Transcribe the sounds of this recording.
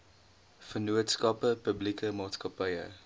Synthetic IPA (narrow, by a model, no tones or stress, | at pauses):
fənuətskɐpəpəblikəmɑːtskɐpɐjə̰